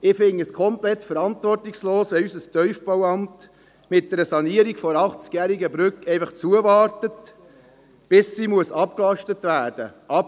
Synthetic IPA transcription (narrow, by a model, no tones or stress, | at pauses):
ɪfɪŋːəskʰɔmplɛtfəɾɑntvɔrtɪksloːsʋɛysəstœʏfb̥owɑmt | mɪt̚d̥ɛɾəsɑniəɾiɡfɔɾɑχt͡skjæːɾiɡəbɾʏkɛɪfɑχt͡suəvɑːɾtət | b̥ɪsːimuəsɑpklɑʃtətʋæːɾd̥ə̰ʔɑp